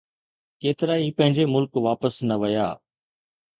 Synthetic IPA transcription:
keːt̪ɪɾaːiːpə̃ɦɪ̃ɲd͡ʒeːmʊlkʋaːpəsnəʋəjaː

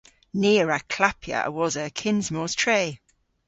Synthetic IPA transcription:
niːɹəkʰl̥apʰjə̰ʔwɒzəkʰɪ̃nzmɔːz̥tʰɹ̥eɪ

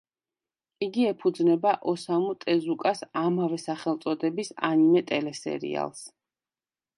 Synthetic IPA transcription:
iɡiɛpʰud̪znɛbaʔɔsamut̪ʼɛzukʼasamavɛsaχɛlˠt̪sʼɔd̪ɛbisa̰nimɛt̪ʼɛlɛsɛ̰ɾḭa̰lˠs

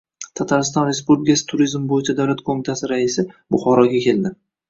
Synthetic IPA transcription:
t̪ʰat̪ʰaɾɪst̪ɒnɾespubɪɡʲasɪ̥t̪ʰʊɾizmbojɪt͡ʃʰad̪awlat̪kʰomit̪ʰasɪɾaɪsɪbʊχɒɾɒɡʲakʲʰe̞ld̪ɪ

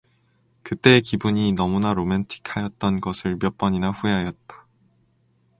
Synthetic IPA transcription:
kɯt͈e̞ːkibuɲinʌmunaɾomentʰi̥kʰajʌt̚t͈ʌnɡʌsʰɯɭpjʌp͈ʌɲinaɸueɦajʌt̚t͈ḁ

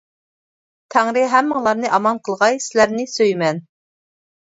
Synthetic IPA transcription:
t̪ʰæŋɾɪɦæmːɨŋlˠɑɾnɨʔɑmɑnqʰəlˠʁɑjsɪlæɾnɪsøjmɛn

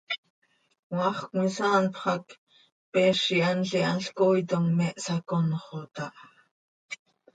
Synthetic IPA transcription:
wɑχkmisɑːnpχɑk | pɛːʃianɬianɬkoːjt̪oŋmɛʔsakonχot̪ɑʔ

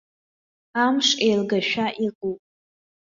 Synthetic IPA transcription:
amʂejlɡaʃᶣaʔiqʼupʼ

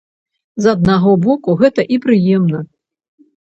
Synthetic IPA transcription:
zɐd̪̚naɣɔbɔkuɣɛt̪ɐʔipɾɨjɛmnɐ

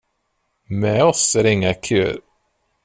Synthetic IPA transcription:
mɛːɔsæɾɪŋːakʰʉ̰ːɾ

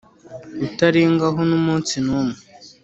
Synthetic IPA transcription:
utaɾiŋɡaɦonumuːnt͡sinume

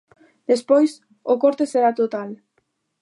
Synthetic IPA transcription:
d̪̥espojs | okoɾt̪eseɾat̪ot̪al

